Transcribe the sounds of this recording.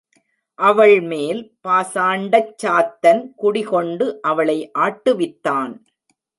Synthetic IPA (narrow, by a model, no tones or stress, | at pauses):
ʔɐʋɐɭmeːlpaːsaːɳɖɐt͡ʃːaːt̪ːɐnkʊɽɪɣɔɳɖɯʔɐʋɐɭɐɪʔaːʈːɯʋɪt̪ːaːn